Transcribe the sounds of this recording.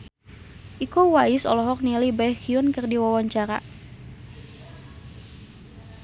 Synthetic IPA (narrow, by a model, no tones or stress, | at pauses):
ʔikowaɪsɔlɔɦɔk̚nilibakiɔnkɨrdiwawaɲt͡ʃaɾa̰